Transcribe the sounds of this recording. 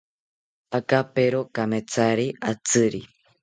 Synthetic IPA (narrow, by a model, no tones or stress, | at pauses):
akapeɾokamet͡saɾiat͡sɨɾi